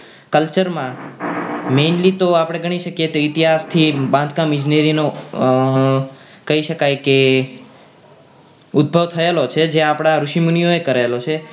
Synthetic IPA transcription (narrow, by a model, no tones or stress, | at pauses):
kəlt͡ʃəɾmã | menlit̪oapɽ̃eɡəɽ̃iʃəkjet̪oit̪iɦast̪ʰibãnd̪kãmĩd͡ʒneɾino | kəiʃəkajke | ud̪̚bʱəʋt̪ʰəelot͡ʃʰed͡ʒeapɽ̃aɾuʃimunijoekəɾelot͡ʃʰe